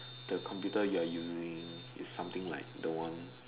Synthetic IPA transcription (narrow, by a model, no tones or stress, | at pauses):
d̥əkʰɔ̃mpjutəjuajuzĩŋ | ḭsːãmt̪ĩŋlaɪk̚dəwãn